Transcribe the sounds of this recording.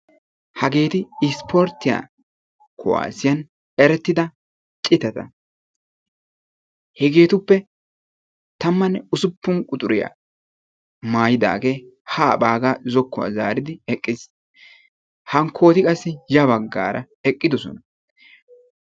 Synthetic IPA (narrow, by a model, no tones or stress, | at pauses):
hɐɡe̞ːt̪ɪːspʰɔɾt̪ːɪja̰ː | kʰʊ̰wa̰ːsɪjɐn | ɛɾɛt̪ːɪd̪ɐ | t͡ʃʼɪt̪ːɐt̪ɐ̰ | hɛɡe̞ːt̪ʊpːɛ | t̪ɐmːɐnːɛʊsʊpːʊŋkʼʊt̪ʼʊɾɪja̰ | maːjɪd̪a̰ːɡe̞ː | haːbaːɡazɔkːʊwa̰ːzaːɾɪd̪ɪɛkʼːɪs | hɐŋkʰːo̞ːt̪ɪkʼɐsːɪjɐβɐɡːa̰ːɾʔɐ | ɛkʼːɪd̪ɔsɔ̰nɐ